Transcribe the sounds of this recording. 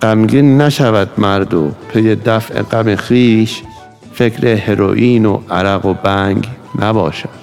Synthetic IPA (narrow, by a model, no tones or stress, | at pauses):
ɢ̥æmɡinːæʃævæd̪mæɾd̪opʰejed̪æfʔḛɡæmexiːʃ | fe̞kʰɾeheɾo̰ʔiːno̰ʔæɾæɣobæŋɡ | næbɒ̰ːʃæd̪̥